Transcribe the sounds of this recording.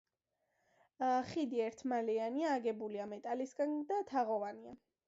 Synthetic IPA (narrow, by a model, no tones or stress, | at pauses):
χid̪iɛɾt̪ʰmalɛaniaːɡɛbuliamɛt̪ʼalisɡand̪at̪ʰaʁɔvania̰